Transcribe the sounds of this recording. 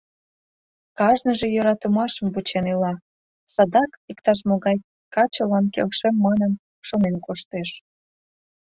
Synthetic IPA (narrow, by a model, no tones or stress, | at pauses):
kɑʒnəʒe̽jøɾɑt̪əmɑʃəmvut͡ɕenylɑ | sɑd̪ɑkikt̪ɑʃ̬moɣɑj | kɑt͡ɕəlɑnkḛlʃemːɑnən | ʃonenkoʃt̪eʃ